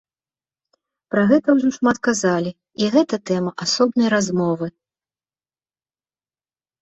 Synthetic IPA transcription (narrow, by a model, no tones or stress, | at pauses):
pɾɐɣɛt̪ɐwʐɔʂmat̪kazalʲi | iɣɛt̪ɐt̪ɛmɐʔasɔbnɐjɾazmɔvɨ